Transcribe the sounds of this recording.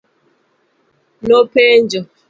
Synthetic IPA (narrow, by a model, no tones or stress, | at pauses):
nopend͡ʒɔ